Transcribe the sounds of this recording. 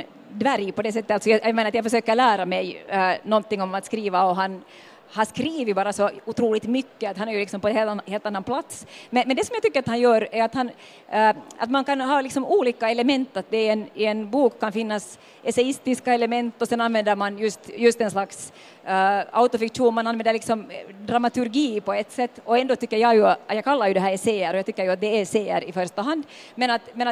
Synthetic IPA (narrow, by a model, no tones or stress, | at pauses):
d̪væɾjpʰɔd̪ɛs̬ɛt̪ːətaltsɔjajamenəɾat̪jaɡfœʂøːkəɾɭæːɾamɛjnɔnt̪ɪŋːɔmat̪skɾiːvaɔɦan | hanskɾiːvəbɑːɾasɔʊt̪ʰɾuːlɪt̪mʏkːəat̪hanæɾjlɪksɔmpɔɛnheːlheːlt̪anːanpʰlat̪smɛnmɛnd̪ɛsɔmjaɡt̪ʏkːəɾat̪hanjœːɾæɾat̪han | a̰t̪mankanɦɑːlɪksɔmuːliːkaɛləmɛnt̪ːat̪̚d̪ɛɛnɪɛnbuːkʰːanfɪnːas | ɛsɛɪst̪ɪskaɛlɛmɛnt̪ːɔsɛnanvɛnd̪əɾmanjɵst̪jɵst̪ɛnslaks | aʊt̪ɔfɪkʂuːnmananʋvɛnd̪əɭlɪksɔmd̪ɾamat̪ʉɾɡiːpɔɛt̪ːsɛt̪ːɔɛnd̪oːt̪ʏkːəɾjɑjʉjɑɡkʰalːaɾjʉd̪ɛɦæːɾɛseːəɾɔjɑːt̪ʏkːəɾjʉat̪̚d̪ɛːseːə̰ɾɪfœɾʂt̪aɦand̪mɛnat̪mɛna